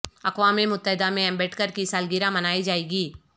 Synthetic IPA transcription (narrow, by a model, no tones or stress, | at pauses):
ɐkwaːmĩmʊt̪ːəɦɪd̪amẽɛ̃mbɛʈʰkəɾkisaːlɡiɾãmɐnaːid͡ʒaːeːɡiː